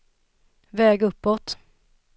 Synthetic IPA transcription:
vɛːɡɵpːɔt̪

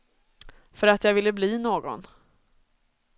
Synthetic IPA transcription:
fœɾat̪jaːvɪlːəbliːnoːɡɔ̰n

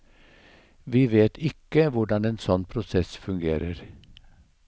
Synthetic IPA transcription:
ʋiːʋeːt̪ʰɪkəʋʊɖɑneːnsɔnpʰɾʊsɛsfʉŋɡeːɾəɾ

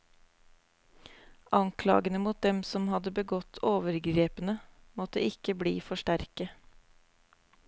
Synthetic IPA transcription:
ʔɑŋkʰlɑ̰ːɡənəmuːt̪̚d̪ɛmsɔmhɑd̪əbəɡɔt̪ʰoːʋəɾɡɾeːpənəmɔt̪əʔɪkəblḭːfɔʃʈæɾkə

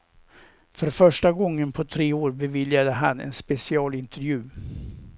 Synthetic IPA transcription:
fœɾfœʂʈaɡɔŋːənpʰɔt̪ʰɾeːoːɾbɛvɪljad̪əɦanːɛ̰nspɛsɪɑːlɪnt̪ɛɾjʉ̟ː

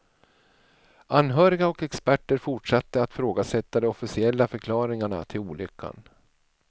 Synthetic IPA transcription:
anɦœːɾɪɡaɔkɛkspæʈːəɾfʊʈʂat̪ːəat̪fɾoːɡasɛt̪ːad̪ɔɔfɪsɪɛlːafœɾkʰlɑːɾɪŋaɳa̰t̪ʰɪluːlʏkʰːa̰n

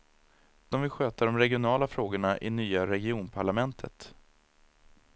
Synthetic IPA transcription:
d̪̥ɔmvɪɧøːt̪aɖɔmɾɛɡɪʊnɑːlafɾoːɡəɳaʔɪnyːaɾɛɡɪuːnpʰaɭamɛnt̪ʰə̰t̪

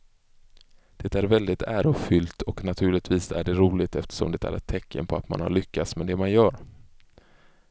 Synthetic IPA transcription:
d̪̥ɛt̪æɾvɛld̪ɪt̪ʰæːɾʊfʏlt̪ʰɔknat̪ʰʉ̟ːɭɪt̪viːsæ̰ɖɛɾuːlɪɡt̪ɛft̪ə̥ʂɔ̰md̪ɛt̪æ̰ɾɛ̰t̪ʰːɛkʰːə̰npʰɔat̪ma̰nha̰ɭʏkːat̪smɛd̪ɛmanjœːɾ

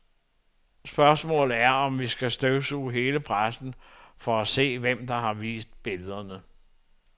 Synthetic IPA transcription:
sb̥ɶɐsmɔ̰ːl̩ˠæɐɒ̽mʋisɡ̥æsd̥øʊsuɦe̝ːləpʰʁasn̩fɒ̽æse̝̰ːʋem̰d̥ɑ̈ɦɑ̈ʋḭːsd̥̚b̥e̝ləð̞ˠɐnə

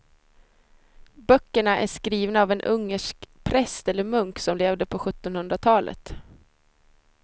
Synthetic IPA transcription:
bœkːəɳaʔæ̰ʂkɾiːvnaːvɛnʔɵŋːəʂkpʰɾɛst̪ɛlːəɾmɵŋksɔmleːvd̪əpʰɔɧɵt̪ːɔnhɵnd̪ɾat̪ʰɑːlʔə̰t̪

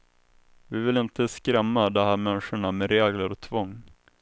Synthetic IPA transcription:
vɪvɪlɪnt̪əskɾɛmːad̪ɔhæːɾmɛnʂəɳamɛɾeːɡləɾɔt̪ʰvɔŋː

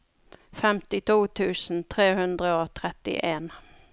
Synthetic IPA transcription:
fɛmt̪ɪt̪ʰuːt̪ʰʉːsn̩t̪ʰʁeːhʉnd̪ʁəot̪ʰʁɛt̪ɪ̰ʔeːn

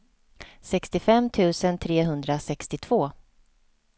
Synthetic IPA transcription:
sɛkst̪ɪfɛmːt̪ʰʉ̟ːsənt̪ʰɾeːɦɵnd̪ɾasɛkst̪ɪt̪ʰv̥oː

